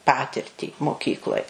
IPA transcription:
ˈpɑːtʲɪrʲtʲiː moːˈkʲiːklˠoːj

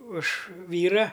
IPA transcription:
ʊʃ ˈʋʲiːrɐ

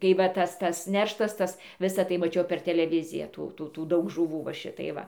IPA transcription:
tɐɪ ˈʋɐ ˈtɐs ˈtɐs ˈnʲɛrʃtɐs ˈtɐs ˈʋʲɪsɐ tɐɪ mɐˈt͡ʃʲɛʊ pʲɛr tʲɛlʲɛˈʋʲɪzʲɪjæː ˈtuː ˈtuː tuː ˈdɐʊk ʒʊˈʋuː ʋɐ ˈʃʲɪtɐɪ ˈʋɐ

